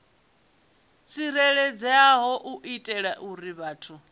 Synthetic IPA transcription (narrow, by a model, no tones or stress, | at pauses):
t͡sʰiɾɛɺɛd͡zɛaɦɔʔuʔitʼɛɺaʔuɾiβaːtʰu